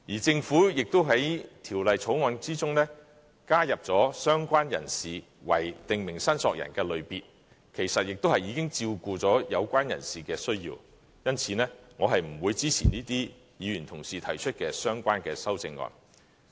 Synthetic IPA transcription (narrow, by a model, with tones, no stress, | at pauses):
jiː˨˩t͡sɪ˧ŋfuː˨˥jɪ˨k̚t̪o˥wɦɐ˨˥jt̪ʰiː˨˩wlɐ˨jt͡sʰo˨˥wŋɔː˧nt͡siː˥t͡sʊ˥ŋnɛː˥ | kaː˥jɐ˨p̚t͡sɔː˨˥sœː˥ŋkʷaː˥njɐ̰˨˩nsiː˨ | wɐ̰˨˩jt̪ɪ˨ŋmɪ˨˩ŋsɐ˥nsɔː˧k̚jɐ̰˨˩nkɛː˧lɵ˨˧ɥpiː˨t̚ | kʰe˨˩jsɐ˨t̚jɪ˨k̚t̪o˥hɐ˨jiː˨˧kɪ˥ŋt͡siː˧wkuː˨˧t͡sɔː˨˥jɐ˨˧wkʷaː˥njɐ̰˨˩nsiː˨kɛː˧sɵ˥ɥjḭː˧w | jɐ˥nt͡sʰiː˨nɛː˥ŋɔː˨˧ɦɐ˨jm̩˨˩wuː˨˧jt͡siː˥t͡sʰiː˨niː˥t̪iː˥ | jiː˨˧jyː˨˩nt̪ʰʊ˨˩ŋsiː˨t̪ʰɐ˨˩jt͡ʃʰɵ˥t̚kɛː˧sœː˥ŋkʷaː˥nkɛː˧sɐ˥wt͡sɪ˧ŋːɔ̰ː˧n